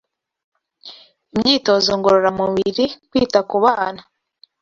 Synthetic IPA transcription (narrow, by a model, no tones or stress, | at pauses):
imɲiːto̞zoŋɡoɾoɾamuβiɾikwiːtakuβaːna